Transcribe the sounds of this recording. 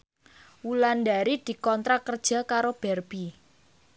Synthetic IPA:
wulandaɾid̪̥i̤kɔnt̪ɾakərd̥ʒ̥a̤kaɾob̥ɛrb̥i

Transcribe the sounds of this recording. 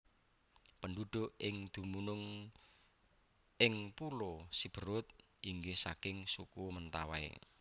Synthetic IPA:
pəɳɖuɖ̪̥o̤ʔɪŋd̪̥umunʊŋ | ɪŋpulosib̥ə̤ɾʊt̪̚ | ʔiŋɡehsakɪŋsukumənt̪awaḛ

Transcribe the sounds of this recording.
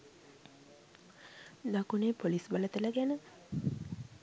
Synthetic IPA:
d̪akuneːpolisbələt̪ələɡænə

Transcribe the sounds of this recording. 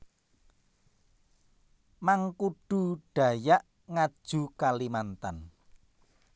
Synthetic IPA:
maŋkuɖ̥ṳɖ̥ä̤jaʔ | ŋad̥ʒ̥ṳkalimant̪an

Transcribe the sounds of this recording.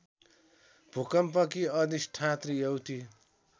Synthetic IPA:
b̥ʱukʌmpʌkiʌd̪isʈʰat̪rijʌwt̪i

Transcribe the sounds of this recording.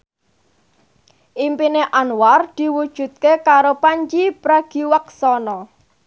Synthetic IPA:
ʔimpineʔanward̪̥i̤wud̥ʒ̥ṳt̪̚kekaɾopaɲt͡ʃipɾaɡ̥iwaksɔnɔ

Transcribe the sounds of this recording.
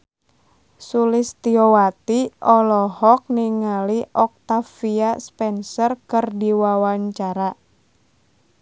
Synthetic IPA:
sulɪst̪iɔwat̪iʔɔlɔhɔk̚niŋaliʔɔk̚t̪afiaspɛnsɔrkɨrdiwawaɲt͡ʃaɾa

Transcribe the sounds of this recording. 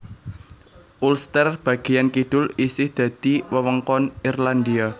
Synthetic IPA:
ʔulst̪ərb̥ä̤ɡ̥ejankid̪̥ʊlisɪhd̪̥ä̤d̪̥i̤wəwəŋkɔnirland̪ia

